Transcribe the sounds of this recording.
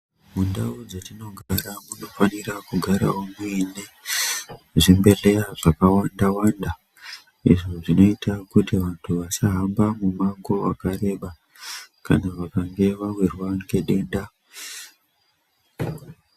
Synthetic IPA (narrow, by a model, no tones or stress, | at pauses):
mundaud͡zetino̞ɡʱaɾamuno̞fanirakuɡʱaɾa̰omuine | ʐimbe̞reaʐakawandawanda | ḭʐoʐino̞itakutiʋantʰuʋasaɦambamumaŋɡo̞akaɾe̞ɓa | ka̰naʋakaŋɡe̞ʋawirwaŋɡe̞ɗe̞ːnda